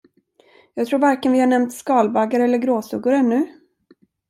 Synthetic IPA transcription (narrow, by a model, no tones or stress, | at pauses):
jɑːɡ̚t̪ʰɾuːɾvaɾkɛnvɪhaɳɛmt̪skɑːlbaɡaɾɛlːəɾɡɾoːsɵɡʊɾɛnːɵ